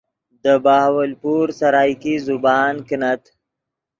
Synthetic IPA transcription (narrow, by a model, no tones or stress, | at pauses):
d̪əbaːhwəlpuɾsaɾɑːjkizʊbɑːnkənat̪